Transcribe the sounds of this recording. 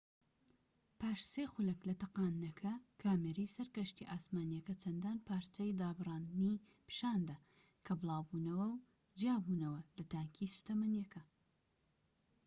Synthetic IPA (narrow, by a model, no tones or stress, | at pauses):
pʰaːʃseːxʊlɐklɐt̪ɐqaːnnɐkʰɐkʰaːmeɾisɐɾkɐʃt̪iʔaːsmaːnijɐkɐt͡sʰɐnd̪aːnpʰaːɾt̪ɐjd̪aːbɨrɑːnd̪ɨni | pʰɨ̥ʃaːnd̪ɐ | kʰɐbɨlˠɑːwbuːnɐwɐw | d͡ʒijaːbuːnɐwɐlɐt̪aːŋkʰisu̥t̪ʰɐmɐnjɐkʰɐ